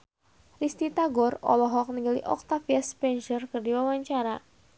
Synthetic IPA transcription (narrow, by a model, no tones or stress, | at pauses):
rist̪it̪aɡɔrɔ̰lɔɦɔk̚niɡəlḭʔɔ̰k̚t̪afiaspɛnd͡ʒərkərdiwawaɲt͡ʃaɾa